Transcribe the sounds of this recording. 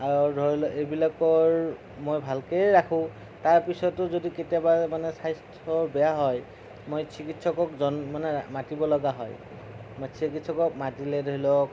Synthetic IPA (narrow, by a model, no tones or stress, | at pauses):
aɹɔdʱɔɹilɔʔebilakɔɹ | mojbʱalkejɹakʰʊ̃ | taɹpisɔtʊzodiketiɔbaɹmanɛsajstʰɔɹbɛjaɦɔj | mojsʰikitsɔkɔkzɔnmanɛmatibɔlɔɡaɦɔ̰j | mojsʰikitsɔkɔk̚matilɛdʱoɦilɔk